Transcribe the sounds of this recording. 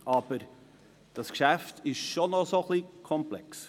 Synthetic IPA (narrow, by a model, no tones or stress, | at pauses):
ɑb̥əɾ | d̥ɑskʃæftɪʃʃonosoχlikʰɔmplɛ̰ks